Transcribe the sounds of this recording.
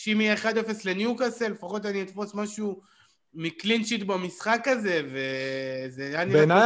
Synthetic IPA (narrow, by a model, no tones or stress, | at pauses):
ʃimieeχad̪efeslenjukasele̞faχo̞t̪aniit̪fo̞smaʃu | miklinʃit̪bamisχakaze̞ve̞zeanina